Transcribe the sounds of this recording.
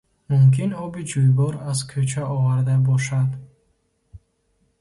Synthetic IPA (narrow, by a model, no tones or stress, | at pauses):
mumkʰinɔbid͡ʒujbɔɾazkʰøt͡ʃʰaɔvaɾd̪abɔʃad̪